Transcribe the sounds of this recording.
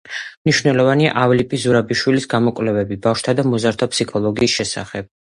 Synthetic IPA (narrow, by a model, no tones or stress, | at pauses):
mniʃvnɛlˠɔvania̰ʔavlipʼizuɾabiʃwilisɡamɔkʼwlɛvɛbibafʃt̪ʰad̪amɔzaɾt̪ʰapsikʰɔlˠɔɡiːsʃɛsa̰χɛb̥̚